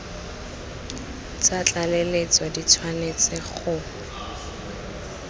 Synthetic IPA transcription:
t͡sat͡ɬʼalelet͡swadit͡sʰwanet͡sɪχʊ

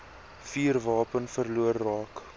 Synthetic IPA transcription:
fiːrvɑːpənfərluərːɑːk

